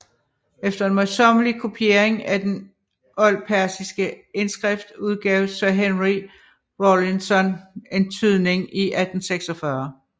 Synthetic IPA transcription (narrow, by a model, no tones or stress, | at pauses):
efd̥ɐe̝nmɒsɒmlikʰo̝pʰie̝ɐe̝ŋæd̥en | ɒ̽l̰pʰæɐsisɡ̥əe̝nsɡ̥ʁɛfd̥uð̞ˠɡ̥ɛːʊsɶɐɦenʁi | ʁolinsɒ̽ne̝nt͡sʰyð̞̰ˠne̝ŋiʔæd̥n̩seɡ̥sɒfɶɐ